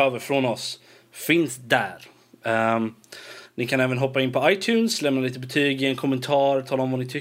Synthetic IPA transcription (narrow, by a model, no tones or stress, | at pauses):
øːvəɾfɾɔnɔs | fɪnsd̪æɾ | nɪkʰanɛːvənɦɔpːaɪnːpʰɔajt̪ʰjʉːnslɛmnaliːt̪əbɛt̪ʰyːɡɪɛnkʰɔmːənt̪ʰɑːɾt̪ʰɑːlaɔmvanɪt̪ʰʏ